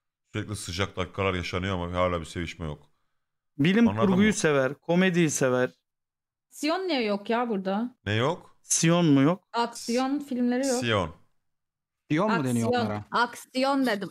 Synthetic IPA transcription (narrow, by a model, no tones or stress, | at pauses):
yɾeclʲɛsɯd͡ʒak̚d̪ak̚kʰːalˠaɾjaʃanɯjoamahaːlʲaːbise̞viʃmɛjo̰k | bilʲimnˠauɾɡujjuse̞væɾkʰo̞med̪ijisevæɾ̥ | sijonːijɛjokjaːbuɾd̪anejok | sijonmujok̚aksijonfilʲmlʲe̞ɾijsoijon | sijonmud̪enijojoɾaksijond̪ed̪im